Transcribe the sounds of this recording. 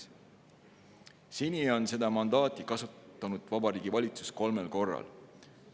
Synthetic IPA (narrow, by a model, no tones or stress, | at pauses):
sinio̞nse̞d̪ɑmɑnd̪̥ɑːt̪ˑikɑsut̪ːˑɑnud̪̥vɑbɑɾiːɡ̥ivɑlʲit̪su̥sko̞lmelko̞rːɑ̰l